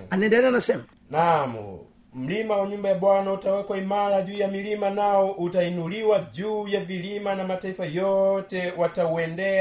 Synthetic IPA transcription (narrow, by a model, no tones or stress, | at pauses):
anɛndɛlɛanasɛma | namṵ | m̩limawaɲumbajaɓwanautawɛkwaimaɾaʄuːjamilimanaɔʔutainuliwad͡ʒuːjavilimanamataifajɔtɛwatauɛndɛ